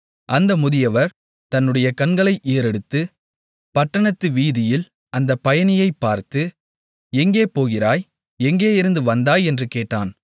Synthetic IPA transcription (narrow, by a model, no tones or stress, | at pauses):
ʔɐnd̪ɐmʊðɪjɐʋɐɾ | t̪ɐnːɯɽɐjɐkɐnɡɐɭɐɪʔeːɾɛɽɯt̪ːɯ | pɐʈːɐɳɐt̪ːɯʋiːðɪjɪl | ɐnd̪ɐpːɐjɐnɪjɐɪpːaːɾt̪ɯ | ɛŋɡeːpoːɣɪɾaːj | ɛŋɡeːɪɾɯnd̪ɯʋɐnd̪aːjɛndrɯkeːʈːa̰ːn